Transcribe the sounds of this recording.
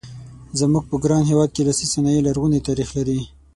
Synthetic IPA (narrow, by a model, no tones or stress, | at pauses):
zamuɡ̚pəɡɾɑnɦewɑd̪̚kelasisanɑjelaɾɣunet̪ɑɾixlaɾi